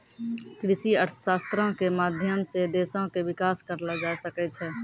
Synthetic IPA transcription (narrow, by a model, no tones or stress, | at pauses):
kɾɪsiəɾt̪ʰʃaːst̪ɾõkemaːd̪ʱjəmsed̪eːsõkeʋɪkaːskəɾlad͡ʒaːsəkɛt͡ʃʰɛː